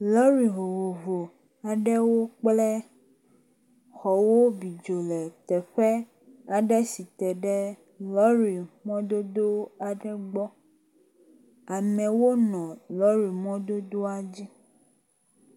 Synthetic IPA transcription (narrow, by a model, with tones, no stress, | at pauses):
lɔ˦ɾi˨ɦo˨wo˨vo˨ | a˨ɖɛ˦wo˦k͡plɛ˦ | xɔ˨wo˦bi˨d͡ʒo˨lɛ˨t̪ɛ˨ɸɛ˦ | a˨ɖɛ˦si˨t̪ɛ˨ɖɛ˦ | lɔ˦ɾi˨mɔ̃˦d̪o˦d̪o˦a˨ɖɛ˦ɡ͡bɔ˦ | a˨mɛ̃˨wo˦nɔ̃˨lɔ˦ɾi˨mɔ̃˦d̪o˦d̪o˦a˦d͡ʑi˦